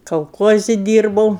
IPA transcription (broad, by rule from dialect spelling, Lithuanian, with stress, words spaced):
kɐlˠˈkuɔzʲɪ ˈdʲiːrbɐʊ